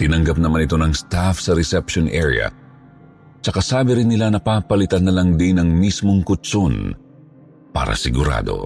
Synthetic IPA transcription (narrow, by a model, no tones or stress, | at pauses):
t̪ɪnɐŋɡɐp̚nɐmanɪt̪o̞nɐŋst̪afsɐɾɛsɛpʃonʔɛ̰ɹj̰ɐ̰ | t͡ʃɐkasaːbɪɾɪnːɪlanɐpaːpɐlɪt̪ɐnːɐlaŋd̪ɪnɐŋmismoŋkʊt̪t͡ʃon | pa̰ːɾɐ̰sɪɡʊɾa̰ːd̪o̞̰